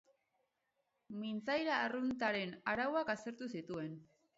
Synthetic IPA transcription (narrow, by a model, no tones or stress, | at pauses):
mint͡sajɾaːrunt̪aɾe̞naɾawakase̞ɾt̪usit̪ue̞n